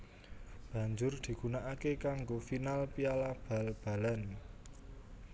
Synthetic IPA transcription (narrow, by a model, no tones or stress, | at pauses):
b̥a̤ɲd͡ʒʊrd̪̥i̤ɡ̥unaʔakekaŋɡofinalpialab̥a̤lb̥a̤lan